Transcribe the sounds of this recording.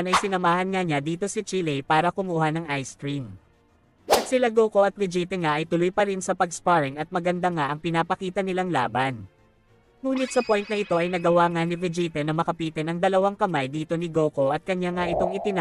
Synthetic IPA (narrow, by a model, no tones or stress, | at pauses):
nɐjsɪnɐmaːhɐnŋaɲad̪iːt̪o̞sɪt͡ʃilɛjpaːɾɐkʊmuːhɐnɐŋʔajsk̪ɾim | ʔɐt̪̚sɪlaɡo̞ːko̞ʔɐt̪̚vɪd͡ʒiːt̪ɛŋaʔɐjt̪ʊlo̞jpɐɾɪnsɐpɐɡspaɹɪŋɐt̪̚mɐɡɐnd̪aŋaʔɐŋpɪnaːpɐkiːt̪ɐnɪlaŋla̰ːbɐn | ŋuːnɪt̪̚sɐpo̞jnt̪̚nɐʔɪt̪o̞ʔɐjnɐɡɐwaŋanɪvɪd͡ʒit̪ɛnɐmɐkɐpiːt̪ɛnɐŋd̪ɐlɐwaŋkɐmajd̪iːt̪o̞nɪɡo̞ːko̞ʔɐt̪̚kɐɲːaŋaʔɪt̪o̞ŋɪt̪ɪna